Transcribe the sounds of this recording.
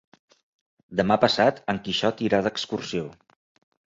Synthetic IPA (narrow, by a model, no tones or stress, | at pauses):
d̪əmapəsat̪əŋkiʃɔt̪iɾaðəkskursio